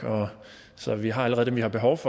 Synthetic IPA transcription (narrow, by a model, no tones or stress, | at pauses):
ɒ̽ | sɒ̽ʋiɦɑ̈æləʁɛð̩ˠdemʋihɑ̈b̥e̝ɦɒʊfɒ̽